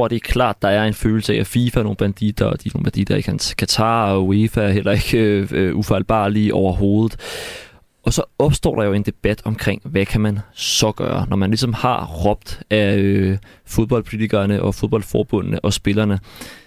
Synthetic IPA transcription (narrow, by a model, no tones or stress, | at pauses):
d̥e̝æɐkʰlɑ̰̈ːd̥ːɑ̈æɐe̝nføːl̩səææfiːfæno̝ːn̩b̥ænd̥id̥ɐɒd̥ino̝ːnb̥ænd̥ḭd̥ɐɡ̥ʰænkʰæt͡sʰɑ̈ːwefæɐhel̰ɐe̝ɡ̥øøʔufɑɪlb̥ɑ̰̈ːliʔɒʊɐɦo̝ːð̞ˠð̩ˠ | ʔɒ̽sɒ̽ɒ̽b̥sd̥ɔ̰ːɾ̥ɑ̈jo̝e̝nd̥e̝b̥æd̥ɒ̽mkʰʁeŋ̰ʋækʰæmænsɒ̽ɡ̥ɶ̰ːɐ̰nɒmænlis̬ɒ̽mhɑ̈ʁɒ̽b̥̚d̥æøfo̝ð̞ˠb̥ɒ̽l̰pʰo̝lit͡sʰiɡ̥ɐːnəʔɒ̽fo̝ð̞ˠb̥ɒ̽l̰̥fɒːb̥ɔn̰nəʔɒ̽sb̥e̝lɐnə